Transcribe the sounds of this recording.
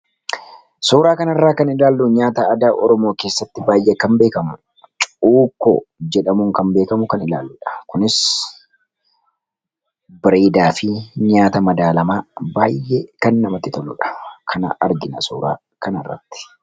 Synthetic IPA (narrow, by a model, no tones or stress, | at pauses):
soːɾaːkɐnɐrːaːkɐnɪlaːlːʊɲaːt̪ɐɐd̪aːʔɔɾɔmo̞ːke̞ːsːɐt̪ːɪbaːjʔɛkɐmbe̞ːkɐmʊ | t͡ʃʼuːkːo̰d͡ʒɛᶑɐmuːŋkɐnbe̞ːkɐmʊkɐnɪla̰ːlːʊᶑɐ̥kʊnɪs | bɪɾeːd̪aːfɪɲaːt̪ɐmɐd̪aːlɐmaːbaːjːeːkɐnːɐmɐt̪ːɪt̪ɔlːʊ̰ᶑɐ̥kʰɐnɐ̰ɐ̰ɾɡɪnɐsoːɾa̰ː | kɐnɐrːɐ̰t̪ːɪ̥